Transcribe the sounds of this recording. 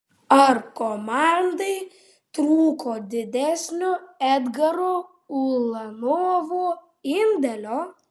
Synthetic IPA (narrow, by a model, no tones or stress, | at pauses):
ɐɾkomɑnd̪ɐɪ | t̪ɾuːkoːd̪ʲɪd̪ʲæsʲnʲʊæd̪ɡɐɾo | ulˠɐnoːʋu | ɪnʲd̪ʲɛlʲoː